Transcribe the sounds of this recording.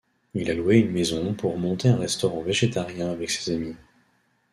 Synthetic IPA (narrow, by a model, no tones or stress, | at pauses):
ilalweynmezɔ̃puʁmɔ̃t̪eɛ̃ʁɛst̪ɔʁɑ̃veʒet̪aʁjɛ̃avɛkse̥zami